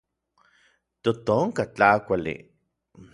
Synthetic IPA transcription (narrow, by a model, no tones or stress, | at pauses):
t̪ot̪oŋkat͡ɬakʷalḭ